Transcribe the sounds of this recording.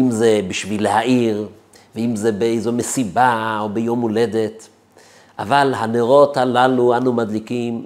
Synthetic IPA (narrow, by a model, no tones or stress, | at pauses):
imzebiʃvilehaʔiʁ | veimzebeejzo̞mesibaobejo̞mːule̞d̪et̪ | ʔavalhaneʁo̞thalaluanumad̪likim